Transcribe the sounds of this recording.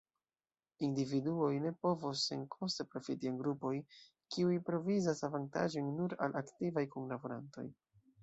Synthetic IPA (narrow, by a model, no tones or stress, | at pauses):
individuo̞jne̞po̞vosːeŋkʰo̞stepɾo̞fitianɡɾupo̞j | kiujpɾo̞vizasavanta̰ʒo̞jnːuɾalʔaktivajkunlabuɾa̰nto̞̰j